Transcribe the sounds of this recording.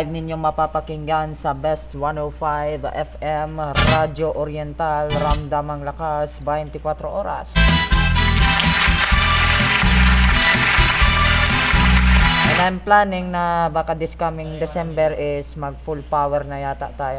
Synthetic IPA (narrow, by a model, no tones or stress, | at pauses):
jb̚nɪnjoŋmɐpapɐkiŋɡansɐbɛst̪wanowfajvʔɛfɛmɾad͡ʒoʔoɾjɛnt̪alɾamd̪amɐŋlɐkasbajɛnt̪ɪkwat̪ɾoʔoːɾa̰s | a | mɐt̪ajmplaːnɪŋnɐbaːkad̪ɪskamɪŋd̪ɛsɛmbɛɾʔɪsmɐɡ̚fulpawɛɾnɐjaːt̪a̰ʔt̪aːjo